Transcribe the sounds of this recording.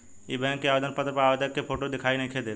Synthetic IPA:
ibɛ̃ŋkːeabed̪ənpət̪ɾəpeaːbed̪əkːepʰoʈod̪ekʰainẽkʰed̪e

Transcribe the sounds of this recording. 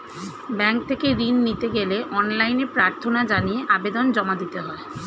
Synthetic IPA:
bɛŋk̚t̪ʰekeɾinːit̪eɡeleʔɔnlajnepɾaɾt̪ʰonad͡ʑanijeʔabed̪ond͡ʑɔmad̪it̪eɦɔe

